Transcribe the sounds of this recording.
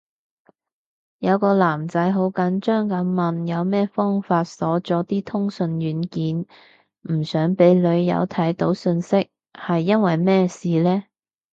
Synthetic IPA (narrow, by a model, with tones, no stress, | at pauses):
jɐ˨˧wkɔː˧laː˨˩mt͡sɐ˨˥jɦo˨˥wkɐ˨˥nt͡ʃœː˥ŋkɐ˨˧˥nmɐ˨njɐ˨˧wmɛː˥fɔː˥ŋfaː˧t̚sɔː˨˥t͡sɔː˨˥t̪iː˥t̪ʰʊ˥ŋsɵ˧nɥyː˨˥nkiː˨˥n | m̩˨˩sœː˨˥ŋpe˨˥jlɵ˨˧ɥjɐ̰˨˧wt̪ʰɐ˨˥jt̪o˨˥wsɵ˧nsɪ˥k̚ | hɐ˨jːɐ˥nwɐ˨jmɛː˥siː˨lɛː˥